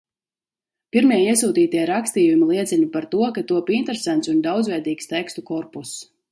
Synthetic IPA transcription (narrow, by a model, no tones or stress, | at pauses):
piɾmiɛiɛsuːt̪iːt̪iɛɾakst̪iːjumilˠiɛt̪sɛlipaɾt̪uɔkat̪uɔpint̪ɛɾesant̪sund̪awd̪zvɛjd̪iːkst̪ɛkst̪ukɔɾpus